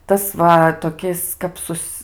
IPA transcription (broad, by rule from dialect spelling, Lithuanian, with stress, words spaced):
ˈtɐs ʋɐ toːˈkʲɪs kɐp ˈsʊs